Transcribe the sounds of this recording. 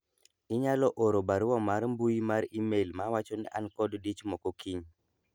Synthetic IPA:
ɪɲalɔʔoɾobaɾwɔmaɾmbujimaɾimelmawat͡ʃɔnɛ̰ʔankɔddit͡ʃmɔkɔkiɲ

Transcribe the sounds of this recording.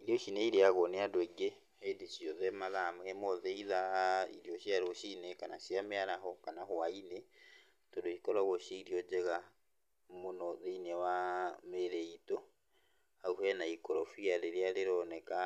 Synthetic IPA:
iɾioʃineiɾeaɣɔneadweɡe | hedisiɔðɛmaðamhemɔðeiðaḭɾioʃiaɾoʃinekana̰ʃjameaɾaɦɔkanahwaine | todoikɔɾaɣoʃiiɾiɔd͡ʒɛɣa | monɔðeinɛwameɾeito | auhɛnaikɔɾɔfiaɾeɾeaɾeɾɔnɛka

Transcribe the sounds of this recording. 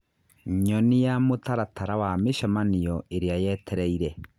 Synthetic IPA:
ɲɔnijamotaɾataɾawameʃamanijɔeɾeajɛtʰɛɾɛiɾɛ

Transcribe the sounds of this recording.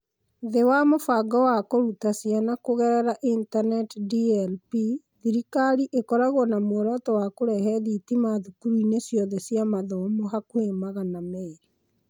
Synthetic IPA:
ðewamofaɡɔwakoɾutasianakoɣɛɾɛɾaʔintanɛtdiɛlpi | ðiɾikaɾiʔekɔɾaɣɔnamoɾɔtɔwakoɾɛɦɛðitimaðukuɾuinesjɔðɛsjamaðɔmoɦakwemaɣanamɛe

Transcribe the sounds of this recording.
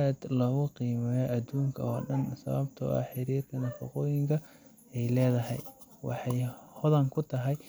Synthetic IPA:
aːd̪lɔːɣʊqiːmɛjɔʔɐd̪uːŋkʰɐɔːɖɐnsɐ̰βɐbt̪ʰɔ̰ʔɐ̰ħɪɾiːrkʰɐnɐfɑ̰qɔːjɪŋkʰɐ | ɛjlɛːðɐɦɛ̰j | wɑ̰ħɑjhʊðɐŋkʰʊt̪ʰɐɦɛj

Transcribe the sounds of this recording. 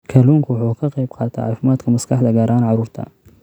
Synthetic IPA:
kʰɐluːŋkʰwʊħuːkʰɐqɑjbqɑːt̪ʰa̰ːʕɑfɪmaːd̪kʰɐmɐskʰɑħd̪ɐɡɐɾaːnʕɑɾuːɾt̪ʰɐ̰

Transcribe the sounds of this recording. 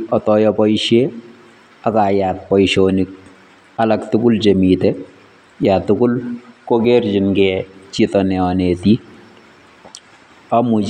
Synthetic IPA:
ɔtɔjɔpɔjʃe | akajat̚pɔjʃonik̚ | alaktʊkʊlt͡ʃemitɛ | jat̪ːʊkʊlkokerd͡ʒɪnɡɛt͡ʃitɔnɛɔneti | amu

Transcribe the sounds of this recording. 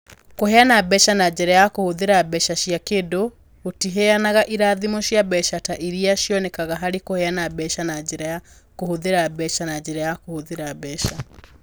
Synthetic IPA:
kohɛanabɛʃanad͡ʒɛɾɛjakohoðeɾabɛʃaʃiakeːdo | otiɦɛanaɣaʔiɾaðimoʃjabɛʃataʔiɾiaʃjɔnɛkaɣaɦaɾekohɛanabɛʃanad͡ʒɛɾɛja | kohoðeɾabɛʃanad͡ʒɛɾɛjakohoðeɾabɛʃa

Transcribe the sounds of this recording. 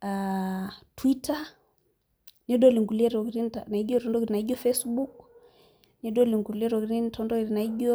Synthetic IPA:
a | twita | niɛɗɔliŋɡuliɛɾɔɡɾintanaid͡ʒɔtɔndɔɡiɾinaid͡ʒɔfɛsbuk | niɛɗɔliŋɡuliɛɾɔɡɾintʰɔndɔɡɾinaiɡɔ

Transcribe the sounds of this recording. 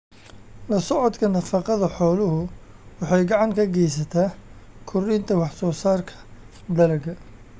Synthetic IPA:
lɐsɔʕɔd̪kʰɐnɐfɑqɑðɐħɔːlʊɦʊ | wɑħɑjɡɑʕɑŋkʰɐɡɛjs̬ɐt̪ʰaːkʰʊrint̪ʰɐwɑħsɔːsaːrkʰɐ̥ | d̪ɐlɐɡɐ

